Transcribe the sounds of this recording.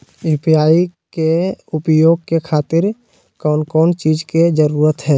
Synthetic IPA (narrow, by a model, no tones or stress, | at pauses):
ɪpjaːikeʊpjoːɡ̚kekʰaːt̪ɪɾ | kɔːnkɔːnt͡ʃiːd͡ʒked͡ʒəɾuːɾət̪ɦɛː